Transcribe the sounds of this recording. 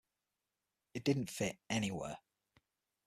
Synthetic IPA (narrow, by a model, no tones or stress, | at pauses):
ɪʔ̚d̥ɪdⁿn̩tfɪtɛñiwɛ̰ː